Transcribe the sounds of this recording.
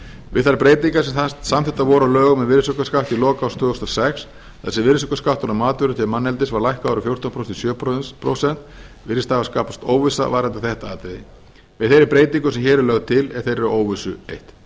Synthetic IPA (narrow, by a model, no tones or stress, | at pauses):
vɪ̰ðθaɾpɾeːjt̪iŋkasɛmθat̪samθɛht̪avɔːɾalœːɣʏmɛðvɪɾsʏkaskawft̪ilɔːkawst̪ʰvʏːʏst̪ɔsɛks | θɛsːɛvɪɾsʏkaskaft̪ɔnamaːt̪vʏɾʏt̪ʰɪmanːɛlt̪ɪsvaɾlajhkaɔɾʏfjowɾ̥t̪anpʰɾost̪ɪsjœːpʰɾosɛn̥t̪vɪɾɪst̪avaskaːpḁst̪oːwvɪsa̰vaɾant̪aθɛht̪aaːt̪ɛðɪ̰ | vɪðθejɾɪɾpɾeːjt̪iŋkʏsɛmçɛːɾɪlœɣðʏt̪ʰɪlɛð̥θejɾɛɾoːwvɪsʏejht̪